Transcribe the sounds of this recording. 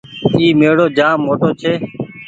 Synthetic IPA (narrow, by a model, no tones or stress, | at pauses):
iːmeːɽoːd͡ʒaːmːoːʈoːt͡ʃʰeː